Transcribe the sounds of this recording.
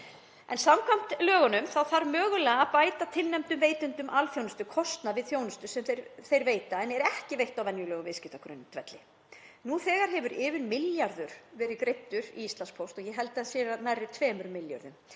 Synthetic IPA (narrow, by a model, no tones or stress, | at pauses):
ɛnsamkʰam̥t̪lœːɣɔnʏmθawθaɾmœːɣʏlɛɣaapaːjt̪at̪ʰɪlnɛmt̪ʏmveːjt̪ʏnt̪ʏmʔalfjownʏst̪ʏkʰɔst̪navɪðθjoːwnʏst̪ʏsɛmθejɾθejɾveːjt̪aɛnɛɾɛhcɪvejht̪awvɛnjʏlœːɣʏmvɪscɪht̪akʰɾʏ̰nt̪ʰvɛ̰t̪lɪ | nuθɛːɣaɾ̥ɦɛvʏɾɪːvɪnmɪljaɾðʏɾ̥vɛːɾɪkɾejt̪ːʏɾḭist̪lanspʰowst̪ɔɣjɛɦɛlt̪ɪasjɛːɾaðnajrːɪt̪ʰvɛːmʏɾmɪlja̰ɾðʏm